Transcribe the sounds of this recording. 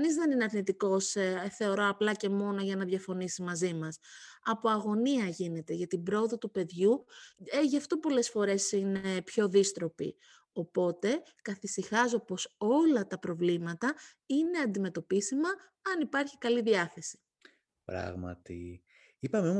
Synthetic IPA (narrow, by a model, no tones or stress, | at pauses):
ɐnizðenineɐɾnit̪iko̞sθe̞o̞ɾo̞ɐplɐce̞mo̞no̞ʝɐnɐðʝɐfo̞nisimɐzimɐsɐpo̞ɐɣo̞niɐʝine̞t̪e̞ʝɐt̪ibɾo̞oðot̪upe̞ðʝueʝɐft̪o̞po̞le̞sfo̞ɾe̞sinepço̞ðist̪ɾo̞pḭ | o̞po̞t̪e̞ | kɐθisixɐz̬opo̞so̞lɐt̪ɐpɾo̞vlimɐt̪ɐ | ine̞ɐnd̪ime̞t̪o̞pisimɐ | ɐnipɐɾçikɐliðiɐθe̞si̥ | pɾɐ̰ɣmɐ̰t̪ḭ | ipɐmeom